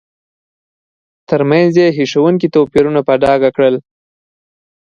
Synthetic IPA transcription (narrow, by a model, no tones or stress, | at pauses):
t̪əɾmanzjeɦiʂawuŋk̬it̪opiɾunapaɖ̪ɑɡakɽəl